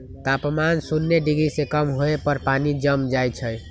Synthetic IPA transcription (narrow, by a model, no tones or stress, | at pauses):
t̪apmansunːeɖiɡɾisekəmɦoepəɾpanid͡ʒəmd͡ʒajt͡ʃʰəj